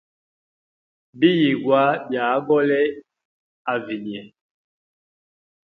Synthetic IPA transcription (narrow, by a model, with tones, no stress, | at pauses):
bi˦ji˨ɡwa˨˦bja˨˦ɡɔ˦lɛ˦ | a˨vi˨ni˨ɛ˨